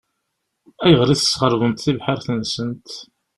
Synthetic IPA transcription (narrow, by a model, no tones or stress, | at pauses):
æjʁɾiθə̥sqəɾvənt̪θivħəɾθənsənt̪